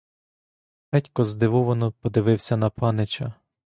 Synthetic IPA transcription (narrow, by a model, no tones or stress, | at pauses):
ɛtʲkɔzd̪ɪʋɔʋɔnɔpɔd̪ɪʋɪwsʲɐnɐpɑnɪt͡ʃɐ